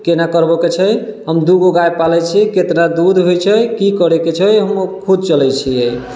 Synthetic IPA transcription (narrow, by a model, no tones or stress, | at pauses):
kenakəɾbɔket͡ʃʰəjɦəmd̪uɡoɡajpalɛt͡ʃʰiket̪nad̪ud̪ʱɦojt͡ʃʰɛkikəɾeket͡ʃʰəjɦəmkʰud̪̚t͡ʃəlɛt͡ʃʰiej